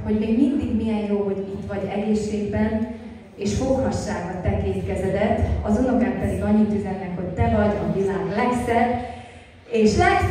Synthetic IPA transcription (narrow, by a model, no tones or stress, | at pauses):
ɦo̞ɟmeːɡmind̪iɡmijɛnjoːɦo̞ɟit̪ʋɒɟɛɡeːʃːeːɡbɛn | eːʃhokhɒʃːaːɡɒt̪ːɛkeːt̪kɛzɛd̪ɛt̪ːɒzuno̞kɛmpɛd̪iɡɒɲːit̪yzɛnːɛkho̞ct̪ɛvɒɟɒvilaːɡlɛksɛb | eːʃlɛks